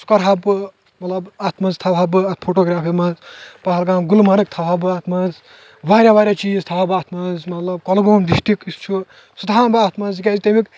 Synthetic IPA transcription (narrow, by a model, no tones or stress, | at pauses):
skɐɾɦɐb | mɐt̪lɐbaːt̪mɐzt̪ʰɐwɦɐbɨɐpʰoːʈoːɡɾaːpʰimɐzpɐɦɐlɡãːɡulmɐnɨk̚t̪ʰɐwɦɐbɨaːt̪ʰmɐz | ʋaːɾʲaʋaːɾʲjat͡ʃiːzt̪ʰɐɐbaːt̪ʰmɐzmɐt̪lɐb̚kɐlɡoːmd̪iʃʈikist͡ʃʰu | sud̪ʱaːnbaːt̪ʰmɐzkʲezt̪ɐmik